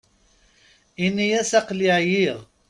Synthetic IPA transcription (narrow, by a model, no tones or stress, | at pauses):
inːijæsæqliʕjiʁ